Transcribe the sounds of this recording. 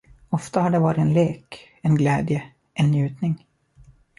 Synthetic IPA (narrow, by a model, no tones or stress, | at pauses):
ɔft̪ahaɖɛvɑːɾɪɛnleːk | ɛnɡlɛːd̪jə | ʔɛnːjʉ̟ːt̪nɪŋ